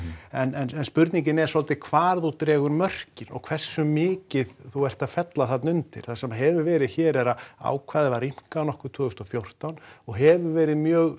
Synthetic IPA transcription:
ɛnɛnɛnspʏɾt̪niɲcɪnɛ̥sɔlt̪ɪkʰv̥aːɾðut̪ɾɛːɣʏɾmœr̥cɪnɔ̰ɣkʰvɛr̥sʏmɪːcɪðθuɛr̥t̪aðfɛt̪laθat̪nʏnt̪ɪ̰ɾ̥θasɛmːaɦɛvʏɾvɛːɾɪðçɛːɾɛɾaa̰ːwkʰvaːðɪvaɾim̥kaawnɔhkʏɾt̪ʰvʏːɣʏst̪ɔfjowr̥t̪awnɔɣɦɛvʏvɛːɾɪðmjœːɣ

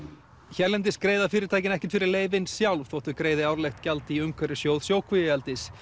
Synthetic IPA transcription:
çɛɾlɛnt̪ɪskɾeːjðafɪːɾɪɾt̪aːjc̬ɪnɛhcɪnt̪fɪɾɪɾleːjvɪnsjawlvθɔwht̪ʏkɾeːjðɪaːwɾlejxt̪calt̪ɪiʏmkʰvɛɾɪ̥sjowðsjoːwkʰvijɪjɛlt̪ɪs

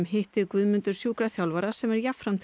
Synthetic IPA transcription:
mhɪht̪ɪkvʏðmʏnt̪ʏɾ̥sjuːkɾaθjawlvaɾḁsɛmɛɾjafɾamt̪ʰ

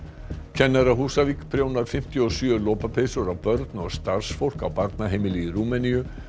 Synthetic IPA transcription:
cʰɛnːɛɾaɦuːsavikpʰɾjoːwnaɾ̥fɪm̥t̪jʏɔsjœːlɔːpapʰesʏɾawpœɾt̪nɔɣst̪aɾ̥sfowl̥kawpaɾt̪naɦeːjmɪliɾuːmɛnijʏ

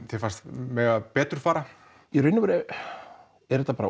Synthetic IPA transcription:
θefanst̪mɛːɣapɛːt̪ʏɾ̥faːɾa | ɛɾʏjnʏvʏɾɛ | ɛɾɛt̪ːapaːɾa̰

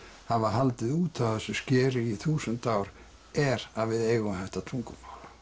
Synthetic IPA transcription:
havaɦalt̪ɪðuːt̪ʰawθɛsːʏscɛːɾɪiθuːsʏnt̪aːwɾ | ɛɾavɪðeːjɣʏhajht̪at̪ʰɾuŋkʏmaːwla

